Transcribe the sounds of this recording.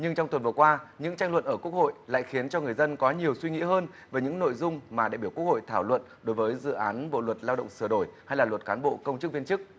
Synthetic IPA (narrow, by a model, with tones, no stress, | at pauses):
ɲɨ˧ŋt͡ɕɔ˧ŋ͡mt̪wə˨˩nvəkwaː˧ɲɨ̰˧˥ŋt͡ɕa˧jŋ̟lwə̰˧˨nʔəː˧˩ku˦˥ək̚ho̰˧˨jla̰ː˧˨jxi˨˦ənt͡ɕɔ˧ŋɨ˨˩ə˩jzə˧nkɔ˨˦ɲi˨˩əwswi˧ŋḭ˧˥ɦəː˧n | vəː˨˦jɲɨ̰˧˥ŋno̰˧˨jzʊ˧ŋ͡mmaː˨˩ɗa̰˧˨˩ɓi˧˩wkk̚ho̰˧˨jt̪ʰaː˧˩wlwə̰˧˨nɗo˨˦jvəː˨˦jzɨ̰˧˨ʔaː˨˦nɓo̰˧˨lwə˨˩t̚laː˧wɗə̰˧˨ŋ͡msɨ˧˩ɗo˧˩jha˧jlaː˨˩lwə˨˩t̚kaː˨˦nɓo̰˧˨kə˧wŋ͡mt͡ɕɨ˦˥k̚vi˧ənt͡ɕɨ˦˥k̚